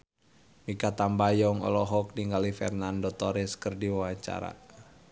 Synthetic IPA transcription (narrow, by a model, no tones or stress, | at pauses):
mikat̪ambajɔŋɔ̰lɔɦɔk̚niŋɡalifɛ̰rnandɔt̪ɔɾɪskərdiwawaɲt͡ʃa̰ɾa̰